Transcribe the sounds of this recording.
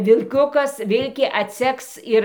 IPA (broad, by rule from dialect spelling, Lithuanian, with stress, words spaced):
ʋʲɪlʲˈkʲʊkɐs ˈʋʲɪlʲkʲeː ɐtʲˈsʲɛks ɪr